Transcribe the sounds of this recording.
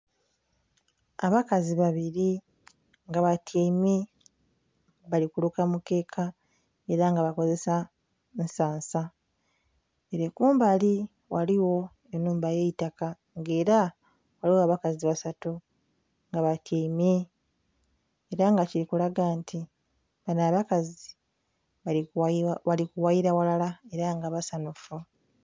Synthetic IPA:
a̰βakaziβaβiɾi | ŋɡaβatʰimi | βalikulukamuke̞ːkʰa | e̞ɾaŋɡaβako̞ze̞sa | nsaːnsa | eɾekuːmbali | waliwo̞ | enːuːmbaje̞itaka | ŋɡe̞ːɾa | waliwoaβakaziβasatu | ŋɡaβatʰiːmi | eɾaŋɡaciɾikulaɡantʰi | βanaβakazi | βalikuwaiɾawalalae̞ɾaŋɡaβasanufu

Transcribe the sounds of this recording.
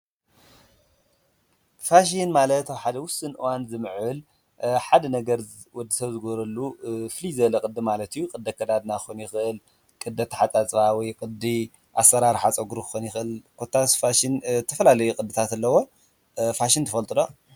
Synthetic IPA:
faʃ̬inmalɐt̪awħad̪ɐwʊsɨnʔɨwanzɨmɨʕɨl | ħad̪ɐnɐɡɐɾ | wɔd̪ːisɐβzɨɡoɾɐlːuflizɐlɐkʼɨd̪ɨmalɐt̪ijːukʼɨd̪ːɐkʰːɐd̪ad̪naxonjɪxɨʔɨl | kʼɨd̪ɐt̪ʰːɐħat͡sʼat͡sʼβawɔjkʼɨd̪i | ʔasːɐɾaɾħat͡sʼɐɡuɾukɨ̥xonjɪxʔɨlkʰot̪ʰːasfaʃint̪ʰɐfɐlalɐjukʼɨd̪ːɨt̪ʰat̪ɐlːɐwo̞ | faʃint̪ɐfɐlt̪ʼɨlo

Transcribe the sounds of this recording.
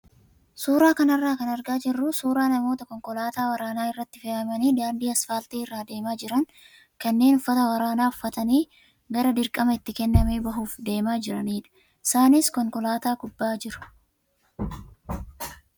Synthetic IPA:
suːɾaːkɐnɐrːaːkɐnɐɾɡaːd͡ʒɪrːʊsuːɾaːnɐmo̞ːt̪ɐkɔŋkɔlaːt̪aːwɐɾaːnaːɪrːɐt̪ːɪfeːʔɐmɐniːd̪aːnd̪iːɐsfaːlt̪iːɪrːaːd̪e̞ːmaːd͡ʒɪɾɐŋ | kɐnːe̞ːnʊfːɐt̪ɐwɐɾaːnaːʊfːɐt̪ɐniː | ɡɐɾɐd̪ɪɾkʼːɐmɐɪt̪ːɪkɛnːɐmeːbɐɦuːfd̪e̞ːmaːd͡ʒɪɾɐniːᶑ̪ɐ̥ | ɪsaːnɪskɔŋkɔlaːt̪aːkʊbːaːd͡ʒɪɾʊ̥

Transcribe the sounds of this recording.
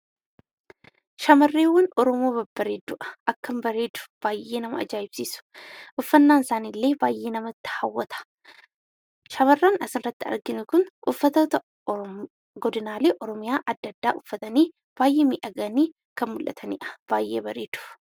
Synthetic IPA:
ʃɐmɐrːeːwːɐnɔɾɔmo̞ːbɐbːɐɾeːd̪ʊʔɐ̥ʔɐkːɐmbɐɾe̞ːd̪ʊ̥b̥aːjʔːe̞ːnɐmɐ̰ɐ̰d͡ʒaːɪbsiːsʊ̥ʔʊfːɐnːaːnɪsaːniːlːeːbaːjʔeːnɐmɐt̪ːɪ̥hɐwːɐt̪ʰɐ̥ | ʃɐmɐrːaːnɐsɪnrrɐt̪ːɪɐ̰ɾɡɪnʊkʊnʔʊfːɐt̪oːt̪ɐ | ɡɔd̪ɪnaːleːʔɔɾɔmɪjaːʔɐd̪ːɐd̪ːa̰ːʔʊfːɐt̪ɐniː | b̥aːjʔe̞ːmiːʔɐɡɐniː | kɐnmʊlʔɐ̰t̪ʰɐnḭːʔɐ̥b̥aːjʔḛːbɐɾe̞ːd̪̥ʊ̥

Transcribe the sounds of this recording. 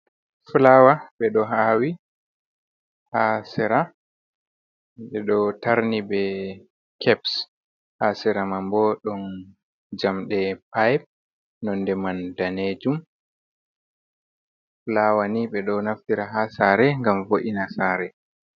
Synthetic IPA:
flawaɓɛɗɔɦaːwi | hasɛɾa | ɓɛɗɔtaɾnibɛ | kʰɛps | hasɛɾamambɔɗɔn | d͡ʒamɗɛpajp̚ | nɔndɛmandaned͡ʒum | flawaniɓɛɗɔnaftiɾaɦasaɾɛŋɡamvoʔinasaːɾɛ

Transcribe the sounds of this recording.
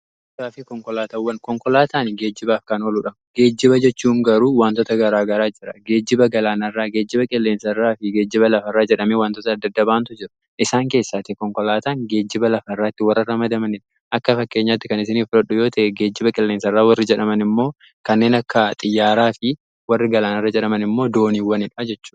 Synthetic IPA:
kaːfɪkɔŋkɔlaːt̪ɐwːɐnkɔŋkɔlaːt̪ʰaːnɪɡe̞ːd͡ʒːɪbaːfkɐnoluːᶑɐmɡeːd͡ʒːɪbɐd͡ʒɛt͡ʃːuːŋɡɐɾuːwaːnt̪ɔt̪ɐɡɐɾaːɡɐɾaːd͡ʒɪɾɐɡe̞ːd͡ʒːɪbɐɡɐlaːnɐrːaːɡe̞ːd͡ʒːɪbɐkʼɪlːeːnsɐrːaːfɪɡe̞ːd͡ʒːɪbɐlɐfɐrːaːd͡ʒɛᶑɐmewaːnt̪ɔt̪ɐːd̪ːɐd̪ːɐbaːnt̪ʊd͡ʒɪɾɐ̥ | ʔɪsaːŋke̞ːsːaːt̪ɪkɔŋkɔlaːt̪anɡe̞ːd͡ʒːɪbɐlɐfɐrːaːt̪ːɪwɐrːɐɾɐmɐd̪ɐmɐnɪᶑ | ʔɐkːɐfɐkːe̞ːɲːaːt̪ːɪkɐnɪsɪniːfʊlɐᶑʊjo̞ːt̪ʰɐʔɛɡe̞ːd͡ʒːɪbɐkʼɪlːeːnsɐrːaːwɐrːɪd͡ʒɛᶑɐmɐnɪmːo̞ː | kɐnːe̞ːnɐkːɐt̪ʼɪjːaːɾaːfɪ | wɐrːɪɡɐlaːnɐrːɐd͡ʒɛᶑɐmɐnɪmːo̞ːd̪o̞ːniːwɐnɪᶑad͡ʒɛt͡ʃːuːᶑ

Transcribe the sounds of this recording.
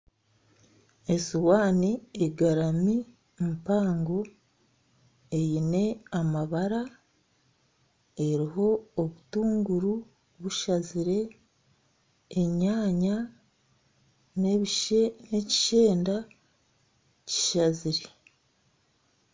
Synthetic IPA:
e̞siwaːnieɡaɾami | m̩paːŋɡo̞ | e̞jine̞amaβaɾa | e̞ɾiɦo̞ːβutuːŋɡuɾu | βuʃaziɾe̞ | e̞ɲaːɲa | ne̞βiʃene̞ci̥ʃe̞ːnda | ci̥ʃaziɾe

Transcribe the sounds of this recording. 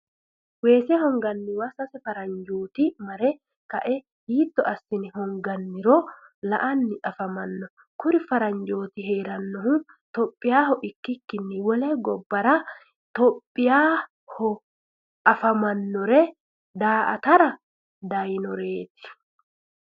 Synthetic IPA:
weːsɛhɔŋɡɐnːɪwɐsɐsɛfɐɾɐɲd͡ʒoːt̪ɪmɐɾɛ | kɐʔɛ | hiːt̪ːɔɐsːɪnɪhɔŋɡɐnːɪɾɔlɐʔɐnːɪɐfɐmɐnːɔ | kʊɾɪfɐɾɐɲd͡ʒo̞ːt̪ɪɦeːɾɐnːɔhʊ | t̪ɔpʼːɪjaːhɔʔɪkːɪkːɪnːɪwɔlɛɡɔbːɐɾɐ | t̪ɔpʼːɪjaː | hɔ | ʔɐfɐmɐnːɔɾɛ | d̪aːʔɐ̰t̪ɐɾɐ | d̪ɐjnɔɾeːt̪ɪ̥

